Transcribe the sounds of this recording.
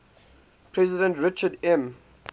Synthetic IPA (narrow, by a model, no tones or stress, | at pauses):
pʰɹɛzɪdə̃ntɹɪt͡ʃədɛ̃m